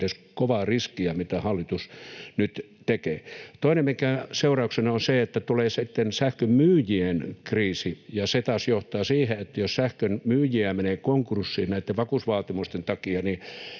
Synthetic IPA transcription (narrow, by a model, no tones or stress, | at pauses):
t̪eskoʋɑːriskiæmit̪æhɑlːit̪usnyt̪ | t̪ekeːt̪oinemmikæseurɑuksenɑonseet̪ːæt̪uleːsit̪ːensæhkømmyːjienkriːsijɑset̪ɑːsjoht̪ɑːsiːheet̪ːæjossæhkønmyːjiæmeneːkoŋkursːiːnnæit̪ːeʋʋɑkusʋɑːt̪imust̪ent̪ɑkiɑni